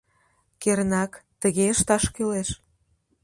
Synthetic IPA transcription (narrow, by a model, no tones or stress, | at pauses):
keɾənɑkt̪əɣeəʃt̪ɑʃkyleʃ